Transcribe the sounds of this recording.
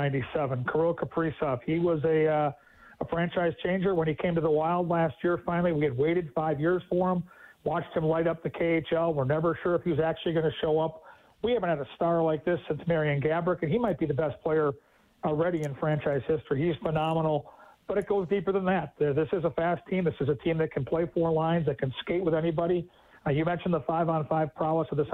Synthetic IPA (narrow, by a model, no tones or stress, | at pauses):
ɪ̃ntisɛvə̃nkʰə˞olˠkʰəpʰɹ̥isɑfhiwʌzɨ | əfɹæ̃nt͡ʃaɪz̥t͡ʃʰẽɪ̃nd͡ʒə˞wə̃nikʰẽɪ̃mtɨðəwaɪlˠdˡlæst̚jɪɹfãɪ̃nl̩ˠiwiɨd̚weɪɾɨd̥faɪvjɪɹz̥fə˞ə̃mwɑt͡ʃt̚hɨ̃mlaɪɾʌp̚ðɨkʰeɪeɪt͡ʃɛlˠwəɹnɛvə˞ʃʊɹəfhiwʌzæk̚t͡ʃʉl̩ˠiɡʌnɨʃoʊʌp | wihævɨ̃nt̚ɨɾɨstɑɹlaɪk̚ðɪsɪ̃nsmɛɹiɨ̃nɡæbɹɨkɨ̃nimaɪt̚b̥iðɨbɛs̚pʰl̥eɪə˞ | l̩ˠɹɛɾiɨ̃nfɹæ̃nt͡ʃaɪz̥hɪstɹ̥iiz̥fənɑmənl̩ˠb̥ʌɾɨt̚ɡ̥oʊzdipə˞ðə̃nðæt̚ðɪsɨzəfæstʰĩmðɪsɨzɨtʰĩmðɨt̚kʰn̩pʰl̥eɪfɔɹlãɪ̃nzðɨt̚kʰɨ̃nskeɪt̚wəðɛnibɑɾi | jɨmɛ̃nʃn̩ðəfaɪvə̃nfaɪv̥pʰɹ̥ɑlˠəsʌvðɪs